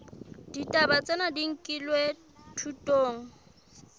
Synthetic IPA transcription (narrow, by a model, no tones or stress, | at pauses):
d̥itʼabat͡sʼenadiŋ̩kʼilwe | tʰutʼoːŋ̩